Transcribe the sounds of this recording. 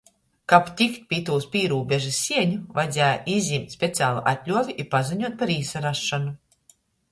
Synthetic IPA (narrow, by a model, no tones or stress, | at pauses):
kapt̪ʲikt̪̚pʲit̪uːspʲiːɾuːbʲɛʒɨsʲːiɛɲuvajd̪zʲæːjaʔizʲimt̪ʲsʲpʲet̪sʲaːlˠṵʔat̪ʲlʲuɔvʲiʔipaziɲuɔt̪̚paɾiːsaɾaʃːanu